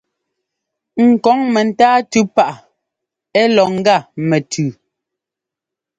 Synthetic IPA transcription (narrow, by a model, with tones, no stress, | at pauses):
ŋ̩˨kɔ˨˦ŋmɛ˨n̩˦taː˦tʉ˦pa˦ʔa˨ | ɛ˦lɔ˨ŋ̩˦ɡa˦˨mɛ˨tʰʉː˨